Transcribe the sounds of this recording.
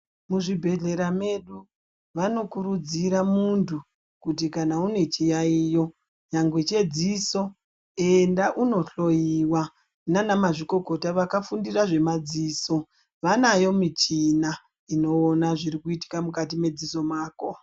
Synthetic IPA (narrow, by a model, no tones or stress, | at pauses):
muʐibʱe̞ɮe̞ɾame̞ɗu | ʋano̞kuɾud͡ziɾamuntʰu | kutikanaune̞t͡ʃijaijo̞ | ɲaŋɡwet͡ʃe̞d͡ziso̞ | e̞ndaʔuno̞ɬo̞jiwa | nanamaʐiko̞ko̞taʋakafundiraʐe̞mad͡ziːso̞ | ʋanajo̞mit͡ʃina | ino̞ːnaʐiɾikuiti̥kamukatime̞d͡ziso̞maːko